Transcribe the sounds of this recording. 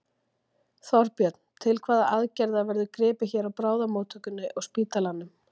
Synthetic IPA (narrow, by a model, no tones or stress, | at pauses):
θɔɾpjœt̪n̥t̪ʰɪlkʰvaːðaʔaðcɛɾðavɛɾðʏkɾɪːpɪçɛːɾawpɾaːwðamowt̪ʰœkʏnːʏʔɔɣspiːt̪alanːʏm